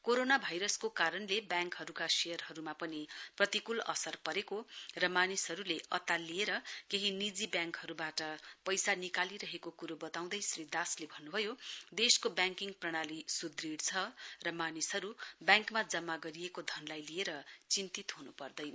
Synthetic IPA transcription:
koɾonabʱajɾʌskokaɾʌnlebjaŋkɦʌɾukasejʌrɦʌɾumapʌniprʌt̪ikulʌ̰sʌrpʌɾekorʌmanisɦʌɾuleʔʌt̪alijeɾʌkeɦinid͡zibjãŋkhʌɾubaʈʌpʌjsanikaliɾʌɦekokuɾobʌt̪aw̃d̪ʌjsrid̪aslebʱʌnːubʱʌjod̪eskobjaŋkiŋɡprʌɽ̃alisud̪riɽt͡sʰʌrʌmanisɦʌɾubjaŋkmad͡zʌmːaɡʌɾijekod̪ʱʌnlajlieɾʌt͡sint̪it̪ɦunupʌrd̪ʌj

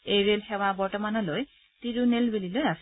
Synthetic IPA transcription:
ejɹelxɛwabɔɹtɔmanɔloj | tiɹunelbelilojas

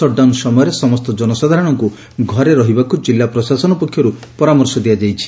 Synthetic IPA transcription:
ɔɖawnsɔmɔjɔɾesɔmɔst̪ɔd͡ʒɔnɔsad̪ʱaɾɔɽ̃ɔŋku | ɡʱɔɾeɾɔɦibakud͡ʒilːapɾɔsasɔnɔpɔkʰːjɔɾupɔɾamɔɾsɔd̪iad͡ʒajt͡ʃʰi̥

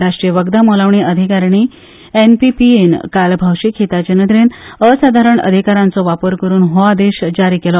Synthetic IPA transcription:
ɾaʂʈɾijəʋəɡd̪amolaʋɳiʔəd̪ʱikaɾɳi | enpipienkalbʱawʂikʰit̪ad͡ʑənəd̪ɾenəsad̪ʱaɾəɳə̰d̪ʱikaɾãnt͡sɔʋapəɾkəɾuːnɦoad̪eɕd͡ʑaɾiːkelɔ

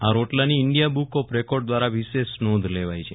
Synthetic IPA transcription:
aɾoʈlaniɪɳɖijabukopɾekɔɖd̪ʋaɾaʋiʃessnod̪ʱleʋajt͡ʃʰe

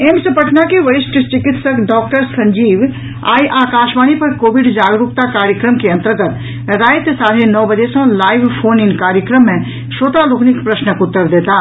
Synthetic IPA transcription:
eːmsəpəʈʰnakeʋɐɾɪsʈʰət͡ʃɪkɪt̪səkɖɔːk̚ʈəɾsɐ̃ɲd͡ʒiːʋ | a̰ːiʔaːkaːʃbaːñipɐɾkoːʋɪɖd͡ʒaːɡɾuk̚t̪akaːɾjəkɾəmkeə̃ɐ̃nt̪əɾɡət̪ | ɾaːjt̪saːɾenɔːbəd͡ʒesõlaːɪʋpʰoːnɪ̃ŋkaːɾjəkɾəmːẽ | ʃoːt̪aloːknɪkpɾəsnəkʊt̪ːəɾd̪eːt̪aː

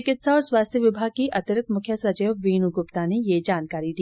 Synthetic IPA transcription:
kɪt̪saɔːɾswaːst̪ʰjəʋɪbʱaːɡ̚kiʔɐt̪ɪɾɪkt̪mʊkʰjəsɐt͡ʃeːʋʋiːnuɡʊpt̪anejed͡ʒaːnkaːɾid̪i

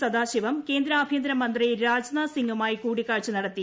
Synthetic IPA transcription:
sɐd̪aːɕiʋɐmke̞ːnd̪ɾɐːbʱijɐnd̪ɾɐmɐnd̪rijiɾaːd͡ʑnɐsiŋɡumaːjikuːɽikːaːɻt͡ɕːɨnɐɽɐt̪ːi

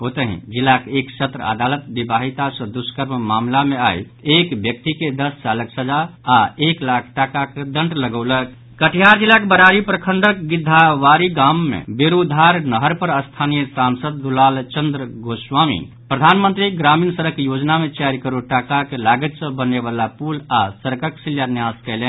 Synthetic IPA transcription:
ɦot̪əɦḭ̃d͡ʒilːakeeksət̪ɾəə̰d̪alət̪̚bibaɦit̪asə̃d̪uskəɾmmamlameaj | ekbjək̚t̪iked̪əst͡ʃaləksəd͡ʒaaeklakʰʈakaked̪əɳʈləɡəwlək̪ | kəʈʰijaɾd͡ʒilːakebəɾaɾipɾəkʰəɳɖəkɡid̪ʱːaʋaɾiɡamːḛbeɾud̪ʱaɾnəɦəɾpəɾəst̪ʰanijəsamsəd̪̚ːulalt͡ʃənd̪ɾəɡoswamḭ | pɾəd̪ʱanmənt̪ɾiɡɾamiːnsəɾəkjod͡ʒnamet͡ʃaɾkəɾuʈakakelaɡət̪sə̃bəneβalapulasəɾkəksiljanjaskɛlɛ

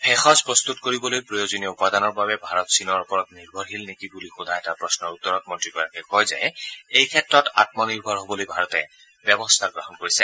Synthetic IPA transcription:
pʰɛxɔzpɹɔst̪utkoɹibɔlojpɹɔjozoniɔupadanɔɹbabɛbʱaɹɔtsinɔɹɔpɔɹɔtniɹbʱɔɹɦilnekibulixʊdʱaɛtapɹɔsnɔɹut̪ːɔɹɔk̚mɔntɹikɔɹakɛkɔjza̰jejkʰɛtɹɔta̰t̚mɔniɹbʱɔɹɦobɔlojbʱaɹɔtɛ | bjɛbɔst̪ʰaɡɹɔɦɔnkoɹisɛ

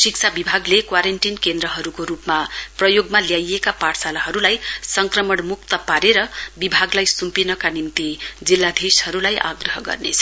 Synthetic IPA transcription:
sik̚t͡sʰabibʱaɡlekwaɾenʈinkend̪ɾʌɦʌɾukoɾupmaprʌjoɡmaljajekapaʈsalaɦʌɾulajsʌŋkrʌmʌɳmukt̪ʌpaɾeɾʌbibʱaɡlajsumpinʌkanimt̪id͡zilːad̪ʱishʌɾulajʔa̰ɡrʌɦʌɡʌ̰rnet͡sʰʌ

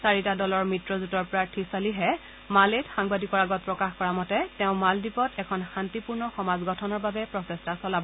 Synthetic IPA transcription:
saɹitadɔlɔɹmitɹɔzutɔɹpɔɹatʰisaliɦɛ | maletxaŋbadikɔɹaɡɔt̚pɹɔkaxkɔɹamɔtɛtɛʊ̃maldipɔtɛkʰɔnxantipuɹnɔxɔmazɡɔtʰɔnɔɹbabɛpɹɔsɛstasɔlabɔ

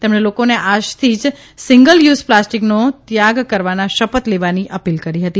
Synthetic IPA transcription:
t̪emɳelokoneʔad͡ʒt̪ʰid͡ʒ | siŋɡəljuzplasʈiknot̪jaɡkəɾʋanaʃəpət̪leʋaniʔəpilkəɾiɦət̪i

